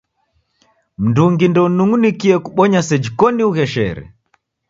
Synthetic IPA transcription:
m̩nduŋɡindɔnuŋunikiɛkuɓɔɲasɛd͡ʒikɔniuɣɛʃɛ̰ɾɛ̰

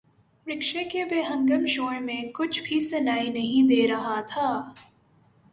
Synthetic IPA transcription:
pɾɪkʃekebeːɦɐ̃ŋɡəmʃoːɽmẽkʊt͡ʃʰbʱisɐnaːinɐɦĩd̪eːɾɐɦat̪ʰaː

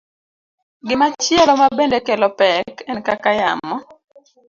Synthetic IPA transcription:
ɡɪmat͡ʃjɛlɔmabendekelɔpɛkɛnkakajamːɔ

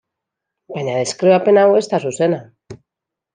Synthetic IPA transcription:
paɲaðeskɾiβape̞nawe̞st̪asusena

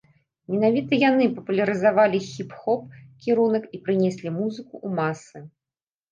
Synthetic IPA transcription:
mʲɛnavʲit̪ɐjanɨpɐpulʲɐɾɨzavalʲixʲipxɔp̚kʲiɾunɐkipɾɨnʲɛsʲlʲimuzɨkuʔːmasɨ

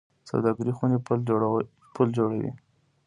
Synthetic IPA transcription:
sa̰wd̪ɑɡɪɾixune | pʰuld͡ʒoɽawḭ

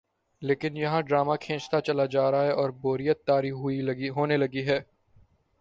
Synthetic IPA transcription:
leːkɪnjɐɦãɖɾaːmakʰẽːt͡ʃt̪at͡ʃɐlad͡ʒaːɾaɦɛɔːɾboːɾijət̪ːaːɾiɦʊiɦoːnelɐɡiɦɛː

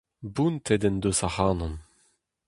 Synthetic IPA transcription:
bunt̪ʰɛd̪ɛnd̪osahaːnɔm

